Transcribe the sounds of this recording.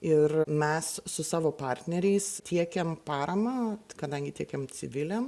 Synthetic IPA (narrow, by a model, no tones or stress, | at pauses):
ɪrmʲɛssʊsɑːʋoːpɑːɾʲt̪ʲnʲɛɾʲɛɪst̪ʲʰiɛkʲɛmpɑːɾɐmɑːkɐd̪ɐŋʲɡʲɪt̪ʲiɛkʲɛmt͡s̪ʲɪʋʲɪlʲɛm